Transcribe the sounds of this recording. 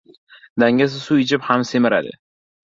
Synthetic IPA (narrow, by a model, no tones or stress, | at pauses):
d̪aŋɡʲas̬ɪsuɪt͡ʃʰɪphamsemɪɾa̰d̪ɪ̰